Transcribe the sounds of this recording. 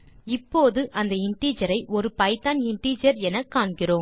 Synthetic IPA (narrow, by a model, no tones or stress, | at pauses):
ɪpːoːðɯʔɐnd̪ɐɪɳʈiːd͡ʒɐɾɐɪʔɔɾɯpɐɪt̪ːaːnɪɳʈiːd͡ʒɐɾɛnɐkːaːɳkɪroːm